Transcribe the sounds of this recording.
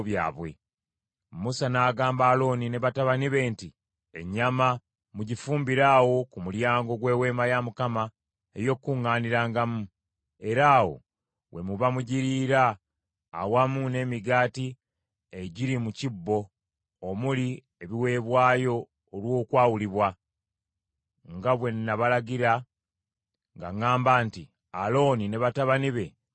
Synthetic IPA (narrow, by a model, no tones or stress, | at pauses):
βja̰ːβwe̞̰ | musanaːɡaːmbaːlo̞ːnine̞βataβaniβe̞ːnti | e̞̰ɲːama | muɟifuːmbiɾaːwo̞kumuljaːŋɡo̞ɡwe̞ːwe̞ːmajamukama | ejo̞kːuŋːaːniɾaːŋɡamu | e̞ɾaːwo̞̰ | wʔe̞muβamuɟiɾiːɾa̰ː | wamune̞ːmiɡaːti | eɟiɾimucibːo̞ː | muli | eβiwe̞ːβwaːjo̞ː | lwo̞ːkwaːwuliβwa | ŋɡaβwe̞nːaβalaɟiɾa | ŋɡa̰ŋaːmbaːnti | alo̞ːnine̞βataβaniβe̞